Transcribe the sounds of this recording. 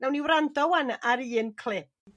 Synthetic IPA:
nawniwɾandɔwanaɾiːnkʰl̥ˠɪp

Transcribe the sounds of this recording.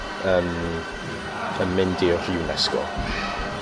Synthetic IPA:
əːm | ənmɪndiɔr̥ɪwnɛskɔ̰

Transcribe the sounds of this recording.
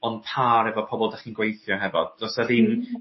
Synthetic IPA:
ɔnpʰaɾɛvɔpʰɔbɔlˠdaχinɡwejθjɔɦɛvɔd̥ɔsaðɪm

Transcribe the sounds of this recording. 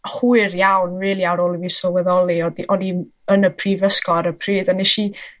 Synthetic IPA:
huɨrjawnriːlˠiaɾoːlˠivisɔwɛðɔlˠiɔdiʔɔdi | ənəpʰriːvəskɔɾəpʰriːdanɛʃi

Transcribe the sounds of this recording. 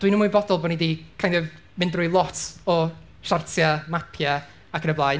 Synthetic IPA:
d̥winəmuːjbɔdɔlˠbɔnidikʰajndɛv | mɪndrʊjlˠɔtʰɔ | ʃartʰjamapʰja | akənəblˠaːj

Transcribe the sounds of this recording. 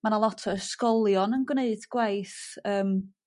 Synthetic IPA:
manalˠɔtʰɔəskɔlˠjɔnənɡwneɨdɡ̥wajθəːm

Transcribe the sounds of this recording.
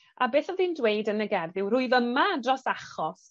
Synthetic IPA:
abeːθɔðindwejdənəɡɛrðɪwr̥ʊɨvəmadrɔsaχɔs

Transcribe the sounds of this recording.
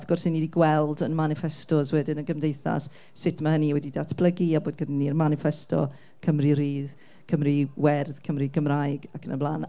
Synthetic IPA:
θɡ̥ɔrsɪnidiɡwɛlˠdənmanɪfɛstɔzwɛdɪnəɡəmdejθa̰s | sɪtʰmahəniwɛdidatʰb̥lˠəɡiaboːd̚ɡədanːiənmanɪfɛstɔ̰ | kʰəmriɾiːð | kʰəmriwɛrð̥kʰəmriɡəmrajɡakʰənəblˠan

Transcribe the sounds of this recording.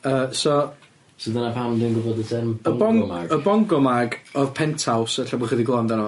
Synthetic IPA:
əːsɔ | sidanapʰandənɡʊbɔdətʰɛ̥əbɔŋaɡəbɔŋɡɔmaɡɔðpʰɛntʰawsəɬabɔχədiɡlˠɔndanɔ

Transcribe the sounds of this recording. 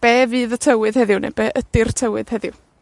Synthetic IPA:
b̥ɛːvɨːðətʰəwɨð̥hɛðɪwnḛb̥ɛːʔədɪrtʰəwɨð̥hɛðɪw

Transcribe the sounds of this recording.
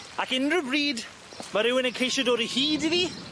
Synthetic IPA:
akɪnrəbriːd | maɾɪwɪnəkʰejʃɔdɔːɾihiːdɪði

